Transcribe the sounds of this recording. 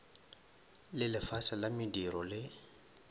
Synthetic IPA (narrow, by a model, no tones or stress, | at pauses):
lɪlɪfasalamɪdiɾɔlɪ